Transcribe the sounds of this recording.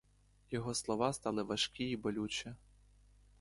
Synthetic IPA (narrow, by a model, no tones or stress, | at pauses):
jɔɦɔslˠɔʋɑst̪ɑlˠɪʋɐʃkʲiibɔlʲut͡ʃʲɐ